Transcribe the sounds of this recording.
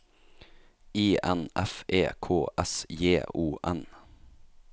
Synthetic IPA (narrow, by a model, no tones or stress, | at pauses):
iːʔɛnʔɛfʔeːkʰoːʔɛsjeːuːʔɛn